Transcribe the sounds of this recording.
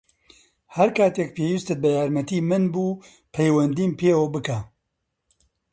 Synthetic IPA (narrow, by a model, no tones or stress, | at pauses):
hɐɾkʰaːt̪eːk̚pʰeːwist̪ɨt̪̚bɐjaːɾmɐt̪iːmɨnbuː | pʰɛjwɐnd̪iːnpʰeːwobɨkaː